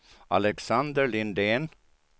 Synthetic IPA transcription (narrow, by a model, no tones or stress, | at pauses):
a̰lɛksand̪əɾlɪnd̪en